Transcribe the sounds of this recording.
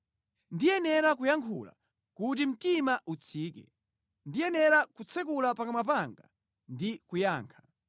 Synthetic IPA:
ndijɛnɛɾak̬ujaŋkʰṵla̰ | kutim̩timaʔut͡sʰiːkɛ | ndijɛnɛɾakut͡sʰɛkulapakamap̬aŋɡa̰ | ndikujaːŋkʰḁ

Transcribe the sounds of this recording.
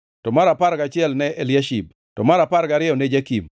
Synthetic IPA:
tɔmaɾapaɾɡat͡ʃɪɛlnɛʔelɪaʃib̚ | tɔmaɾapaɾɡaɾɪɛɔnɛd͡ʒakim

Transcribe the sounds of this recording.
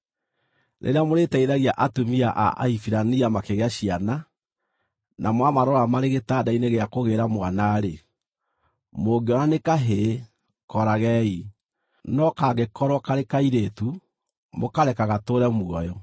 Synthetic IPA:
ɾḛɾeamoɾetɛiðaɣiaʔatumiaʔa̰ʔa̰ifiɾaniamakeɣeaɕiana | nʔamwamaɾɔɾamaɾeɣetaːdaineɣeakoɣeɾamwanaɾe | moɡiɔnanekaɦe | kɔɾaɣɛi | nɔkaɣekɔɾwɔkaɾekaiɾetu | mokaɾɛkaɣatoɾɛmwɔjɔ

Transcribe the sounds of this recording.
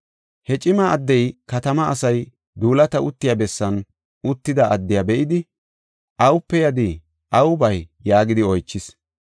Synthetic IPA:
hɛt͡ʃʼɪmɐɐd̪ːɛjkɐt̪ɐmɐɐsɐj | d̪uːlɐt̪ɐʊt̪ːɪjabɛsːɐn | ʊt̪ːɪd̪ɐʔɐd̪ːɪjabɛʔɪd̪ɪ | ʔɐwʊpːɛjɐd̪ɪ | ʔɐwʊbɐjːaːɡɪd̪ɪɔjt͡ʃːɪs

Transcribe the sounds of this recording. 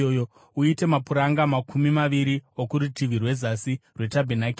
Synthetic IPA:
jo | uite̞mapuɾaŋɡamakʰumimaʋiɾiokuɾutiʋirwe̞zasirwe̞tabʱenakː

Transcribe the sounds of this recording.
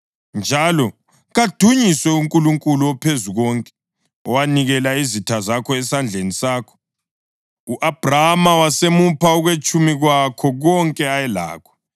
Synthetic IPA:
nd͡ʒʱalɔ | ɣad̥ʱuɲiswɛuŋkʼuluŋkʼuluɔpʰezuɣɔŋkʼɛ̥ | ɔwaniɣɛlaizitʰazakʰɔɛsand͡ɮʱenisaːkʰɔ̥ | uʔab̥ʱraamawasemupʰauɣwet͡ʃʼumiɣwakʰɔɣɔŋkʼɛajɛla̰ːkʰɔ̥

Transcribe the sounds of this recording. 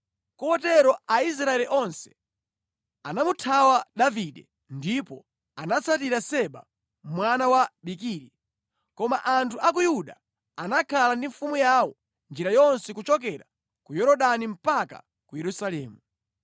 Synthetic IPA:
kɔɔtɛɾɔais̬ɾaɛliʔɔnsɛ̥ | anamutʰawaɗaviɗɛ | ndipɔ | anat͡sʰat̬iɾasɛɓa̰ | mwanawaɓik̬iːɾi | kɔma̰ʔantʰuʔak̬ujuɗa | anakʰalandiɱfumujawɔ | nd͡ʒiɾajɔnsɛkut͡ʃɔk̬ɛɾa | kujɔɾɔɗanim̩paka̰ | kujɛɾusalɛːmu

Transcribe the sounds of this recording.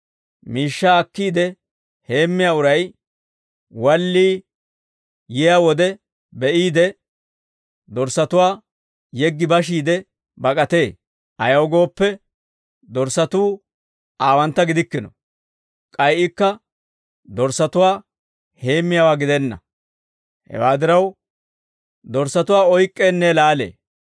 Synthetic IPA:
miːʃːaːkːiːd̪ɛ | he̞ːmːɪjaːʊɾɐj | wɐlːiː | jɪjawɔd̪ɛ | bɛʔiːd̪ɛ | d̪ɔɾsɐt̪ʊwaː | jɛɡːɪbɐʃ̬iːd̪ɛ | bɐkʼɐt̪e̞ː | ʔɐjɐwɡo̞ːpːɛ | d̪ɔɾsɐt̪uː | ʔaːwɐnt̪ːɐɡɪd̪ɪkːɪnɔ | kʼɐjʔɪkːɐ | d̪ɔɾsɐt̪ʊwaː | he̞ːmːɪjawaːɡɪd̪ɛnːɐ̰ | hɛ̰waːd̪ɪɾɐw | d̪ɔɾsɐt̪ʊwaːɔjkʼːeːnːɛlaːle̞̰ː

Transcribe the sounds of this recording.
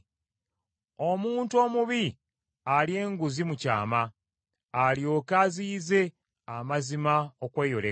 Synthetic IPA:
o̞muːntuo̞ːmuβi | alie̞ːŋɡuzimuca̰ːmaː | lio̞kaziːze̞ | amazimaokwe̞ːjo̞le

